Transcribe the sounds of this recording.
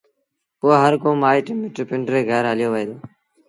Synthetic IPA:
poːaːɦəɾkoːmaːiːʈɪmɪʈpɪɳɖɾeːɡʱəɾɦəljoːʋəɦeːd̪oː

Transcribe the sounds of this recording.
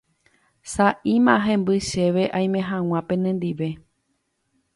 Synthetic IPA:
saʔimãɦẽ̞mbɨʃe̞ʋe̞ʔaj̃mẽ̞ɦãw̃ãpẽ̞nẽ̞nd̪iʋe̞

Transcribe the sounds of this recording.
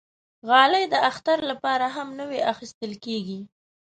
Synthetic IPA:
ɣɑləjd̪əaxt̪aɾlapɑɾaɦamnəweaxist̪əlkeɡi

